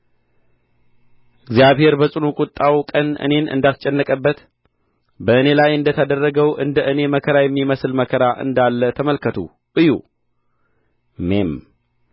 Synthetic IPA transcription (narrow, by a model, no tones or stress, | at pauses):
ʔɨɡzijaβhe̞ɾbəsʼɨnukʼʊt̪ʼːawkʼənɨ̰ne̞nɨ̰nd̪at̪t͡ʃʼɛnːəkʼəbːət̪ | bəʔɨne̞lajɨnd̪ət̪ʰad̪ərːəɡəwʔɨnd̪əʔɨne̞məkʰəɾajɛmːiməsɨlməkʰəɾaʔɨ̰nd̪alːət̪ʰəməlkʰət̪ʰṵ | ʔɨjṵ | me̞m